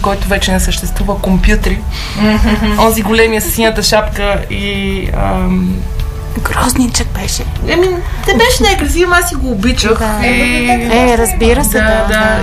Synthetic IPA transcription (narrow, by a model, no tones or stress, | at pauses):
kɔjt̪ʊvɛt͡ʃɛnɛsəʃt̪ɛst̪vuvɐkompjut̪ɾi | ɔziɡolɛmiɐssit̪ɐʃapkəi | əm | ɡɾɔznit͡ʃək̚bɛʃɛɐminɛbɛʃɛnɛkɾɐziɐmasiɡʊːbit͡ʃə | ɛɾɐzbiɾɐsɛd̪d̪a